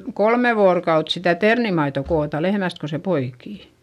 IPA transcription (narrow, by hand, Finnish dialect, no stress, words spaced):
kolme ʋoːrokɑut sitæ ternimɑito koːtɑ lehmæst ko se poikiˑ